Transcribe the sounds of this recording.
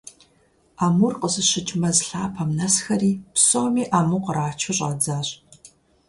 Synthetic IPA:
aːmurqəsɨɕɪt͡ʃʼmɐzɬaːpʰɐmnɐsxɐriːpsʼomiːʔaːmuqəraːt͡ʃʰʊɕʼa̰ːd͡zaːɕʼ

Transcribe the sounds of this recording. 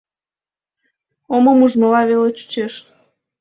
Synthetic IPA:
oməmuʒməlɑβelet͡ɕu̥t͡ɕeʃ

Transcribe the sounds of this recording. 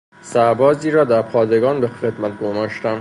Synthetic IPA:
sæɾbɒːziːɾɒːd̪æɾpʰɒːd̪eɡɒːnbexed̪mæt̪̚ɡomɒːʃt̪æn

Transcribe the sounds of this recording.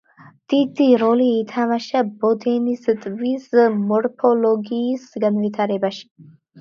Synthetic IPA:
d̪̥id̪iɾoliːt̪ʰamaʃabod̪enisɨt̪ʼvismɔɾpʰoloɡisɡənvit̪ʰaɾebaʃ

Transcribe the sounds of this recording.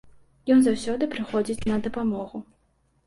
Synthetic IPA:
jɔnzawsʲɔd̪ɨpɾɨxɔd͡zʲit͡sʲnɐd̪ɐpamɔɣu

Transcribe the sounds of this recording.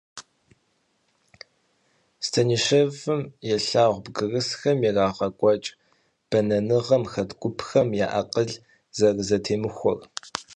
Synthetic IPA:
stʰɐniːʂɐvɨmjɛɬaːʁʷbɡɨrɨsxɐmjɛraːʁɐkʷʼɔt͡ʃʼ | b̥ɐnɐnɨʁɐmxɐtɡʷʼʊpʰxɐmjaːʔɐ̰qəɮ | zɐrzɐtʰeːmɨxʷɔ̰r

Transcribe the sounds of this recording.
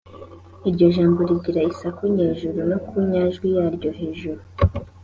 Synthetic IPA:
iɾɟo̞ʒaːmbo̞ɾiɟiɾaisakuɲeːʒuɾunokuɲaʒɡwijaːɾɟo̞ɦe̞ːʒuɾu

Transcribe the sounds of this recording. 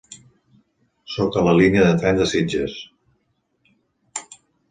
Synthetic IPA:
sɔkələliniəðət̪ɾɛnd̪əsid͡ʒəs

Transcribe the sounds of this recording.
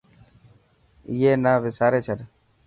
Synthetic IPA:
ɪːɦeːnaːʋɪsaːɾeːt͡ʃʰəɗ

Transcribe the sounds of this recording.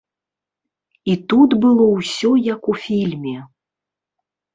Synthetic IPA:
it̪ut̪bɨlˠɔwsʲɔjɐkufʲilʲmʲɛ

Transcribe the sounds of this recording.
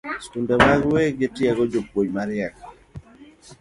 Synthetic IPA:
skundɛmaɡweɡɪtɪaɡɔd͡ʒopwoɲmaɾjak

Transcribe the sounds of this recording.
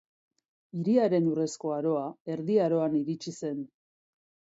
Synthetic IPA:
iɾiaɾe̞nure̞sko̞aɾo̞ae̞ɾðiaɾo̞aniɾit͡ʃise̞n

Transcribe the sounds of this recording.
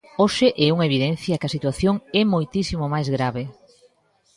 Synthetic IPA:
oʃɪʔɛuŋɐeβiðɛn̟θjɐkɪɐsit̪waθjoŋɛmojt̪isimomajzɣɾaβe

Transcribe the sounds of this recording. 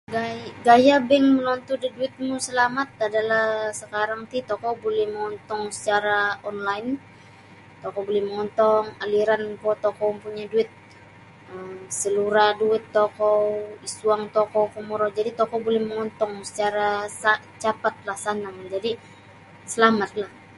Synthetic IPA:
ɡaɡajabɛŋmənɔnt̪udiduɪt̪̚musəlamat̪̚adalahsəkaɾaŋt̪it̪ɔkɔwbolɛhməŋɔnt̪ɔŋsə̥t͡ʃaɾaɔnlaɪnː | ɔkowbolɛhməŋɔnt̪ɔŋaliɾankɔt̪ɔkɔmpuɲaduɪt̪̚ | əmsəluɾaduɪt̪ːɔkɔwisuaŋt̪ɔkɔwkəmɔɾɔd͡ʒadit̪ɔkɔbolɛhməŋɔnt̪ɔŋsə̥t͡ʃaɾasa | t͡ʃapat̪̚lahsanaŋd͡ʒadi | səlamat̪̚lah

